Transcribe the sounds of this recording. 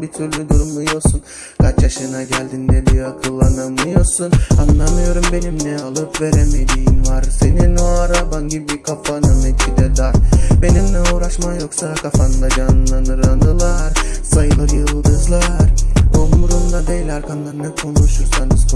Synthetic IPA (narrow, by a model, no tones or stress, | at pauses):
bit̪ʰyɾlʲyd̪uɾumlˠujo̞ɾsun | kʰat͡ʃjaʃɯnaɟælʲd̪ind̪ɛbiakʰɯlˠːananmɯjo̞ɾsunanlˠamɯjo̞ɾumbe̞nimnɛalˠɯpve̞ɾeme̞d̪ijimvaɾse̞ninoaɾabanɟibikʰapanɯmɛt̪t͡ʃʰid̪ɛd̪aɾbe̞nimlʲɛuːɾaʃmajo̞ksakʰafand̪ad͡ʒanlˠanɯɾand̪ɯlˠaɾsajɯlˠajɯlˠɡ̪ɯzlˠaɾoumuɾund̪ad̪ejilʲaɾkʰanlˠaɾɯnakʰo̞nuʃuɾsanɯz